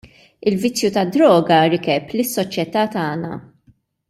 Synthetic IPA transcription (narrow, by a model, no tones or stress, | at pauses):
ɪlvɪt͡sːjut̪ɐd̪ɾɔːɡɐɾɪkɛplɪsːɔt͡ʃjɛt̪ɐːt̪ɐːnɐ̰